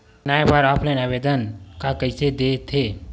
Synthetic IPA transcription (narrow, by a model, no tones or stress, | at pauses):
naepəɾaplenabed̪ənkakəɪsed̪et̪ʰe